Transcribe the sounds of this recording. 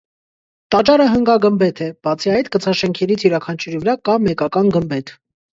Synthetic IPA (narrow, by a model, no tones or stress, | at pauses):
t̪ɑt͡ʃɑɾəɦəŋɡɑɡəmbɛt̪ʰɛb̥ɑt͡sʰiɑjt̪kət͡sʰɑʃɛŋkʰɛɾit͡sʰjuɾɑkʰɑnt͡ʃʰuɾivəɾɑkɑmɛkɑkɑnɡəmbɛt̪ʰ